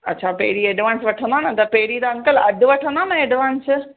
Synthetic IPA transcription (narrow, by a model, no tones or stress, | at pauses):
ɐtːɕʰapɐɦɪɾieːɖʋãːnsʋɐʈʰə̃nd̪aːnɐt̪ɐpɐɦɪɾit̪aɐŋkəlɐd̪ʱʊʋɐʈʰə̃nd̪aːnɐeːɖʋãːns